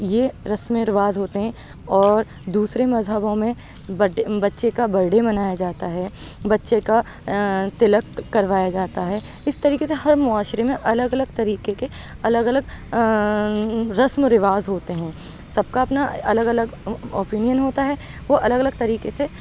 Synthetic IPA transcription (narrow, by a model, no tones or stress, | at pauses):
jeɾɐsmẽɾɪʋaːzɦoːt̪eɦɛ̃ː | ɔːɾ | d̪uːsɾemɐzɦəbõmẽ | bɐbɐtːʃekabɐɾɖemɐnaːjad͡ʒaːt̪aɦɛːbɐtːʃeka | t̪ɪləkːɐɾʋaːjad͡ʒaːt̪aɦɛː | ɪst̪ɐɾiːkeseɦɐɾmʊaːʃɾemẽʔɐləɡɐləɡ̚t̪ɐɾiːkeke | ɐləɡɐləɡ | ɾɐsmɾɪʋaːzɦoːt̪eɦɛ̃ː | sɐb̚kaɐpnaɐləɡɐləɡo̰ːpiːnijənɦoːt̪aɦɛ | ʋoʔɐləɡɐləɡ̚t̪ɐɾiːkese